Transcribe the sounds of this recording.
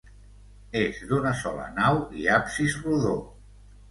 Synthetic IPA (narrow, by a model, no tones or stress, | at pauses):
ezd̪unəsɔlə̰nawḭapsizruðo